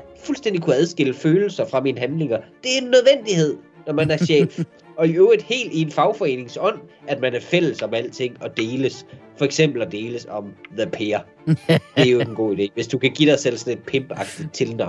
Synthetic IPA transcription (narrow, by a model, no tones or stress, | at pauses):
fulsd̥end̥ikʰuæð̞ˠsɡ̥e̝l̰əføːl̩sɐfʁɑ̈miːnəɦænle̝ŋɐd̥e̝æɐe̝nːøð̞ˠʋen̰d̥ihe̝ð̞̰ˠ | nɒmænæɐɕɛ̰ːf | ɒ̽iøːʊʁid̥he̝̰ːld̥ienfɑ̈ʊfɒ̽e̝̰ːne̝ŋsɒ̽n̰æd̥mænæɐfel̰əsɒ̽mæl̰t͡sʰe̝ŋ̰ɒ̽d̥e̝ːləsfɒ̽eɡ̥sem̰b̥l̩d̥e̝ːləsɒ̽mðəpʰeːɐ̥ | d̥e̝æɐjo̥en̩ɡ̥o̝̰ːid̥e̝̰ːʋe̝sd̥ukʰæɡ̥id̥ɑ̈ɪsel̰sɒ̽ne̝d̥̚pʰemb̥əɑ̈ɡ̥̚d̥ið̩ˠt͡sʰe̝lnɑ̈ʊ̰n